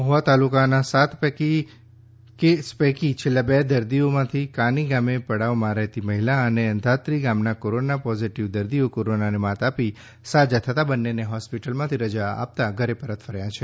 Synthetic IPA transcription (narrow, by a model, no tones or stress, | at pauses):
mɔɦʋat̪alukanasat̪peki | kespɛkit͡ʃʰelːabed̪əɾd̪iomãt̪ʰikãniɡamepəɽaʋmãɾɛɦt̪iməɦilaəneənd̪ʱat̪ɾiɡamnakoɾonapɔziʈiʋd̪əɾd̪ijokoɾonanemãt̪api | sad͡ʒat̪ʰət̪abənːeneɦɔspiʈəlmãt̪ʰiɾəd͡ʒaa̰p̚t̪aɡʱəɾepəɾət̪fʰəɾjãt͡ʃʰe